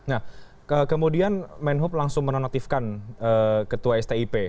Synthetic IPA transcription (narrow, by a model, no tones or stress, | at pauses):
nah | kəkəmudianmɛnɦʊp̚laŋsʊŋmənonat̪ifkanəːkət̪uaɛst̪eipe